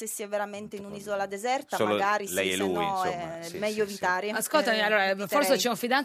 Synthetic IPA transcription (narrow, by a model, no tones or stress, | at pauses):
sesːiɛveɾament̪einunizɔlad̪ezɛrt̪asomloɡaːɾilɛjɛlːujnsoɛmmɛʎːovit̪aːɾeaskolt̪amialːoːɾafɔɾsset͡ʃɛunfid̪an